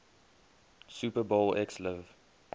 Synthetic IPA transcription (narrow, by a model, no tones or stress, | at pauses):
supəbolɛksləv